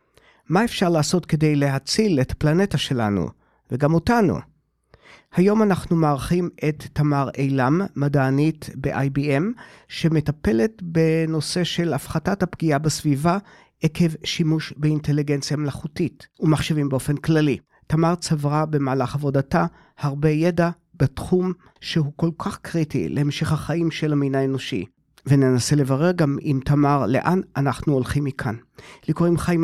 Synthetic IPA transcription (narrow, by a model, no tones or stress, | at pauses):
mae̞fʃaʁlaːso̞tkede̞jle̞ɦat͡sile̞tʰḁplane̞taʃe̞la̰nṵ | veɡamotanṵ | hajo̞manaχnumeaʁχime̞t̪ːamaʁejlamːadaːnitbeʔajbiemʃe̞me̞tape̞le̞tbe̞no̞se̞ʃe̞lafχatathapɡiabesviva | ekʰe̞vʃimuʃbeinte̞liɡe̞nt͡sjamelaχutitumaχʃevimbeofe̞nklali | tamaʁt͡savʁabe̞maːlaχavo̞data | haʁbe̞je̞da | b̥etχum | ʃeɦuko̞lkʰaχkʁitḭlʔehemʃeχhaχaimʃelaminaeno̞ʃḭ | venenasele̞vaʁeʁɡamimtamaʁle̞̰ʔanʔanaχnuolχimːikʰanlikoʁimχaim